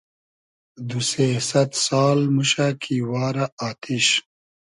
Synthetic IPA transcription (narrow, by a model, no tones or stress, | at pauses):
d̪usesɐt̪saːlmuɕakʰiːwɑːɾaaːt̪iɕ